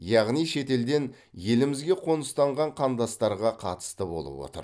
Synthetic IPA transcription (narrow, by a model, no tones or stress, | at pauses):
jɑʁnijʃe̞t̪e̞ld̪e̞n | je̞lɪmɪzɡʲe̞qʰo̞nəst̪ɑɴʁɑɴqʰɑmd̪ɑst̪ɑɾʁɑqʰɑ̰t̪ə̥st̪əbo̞̰lˠə̰pwo̞̰t̪ə̰ɾ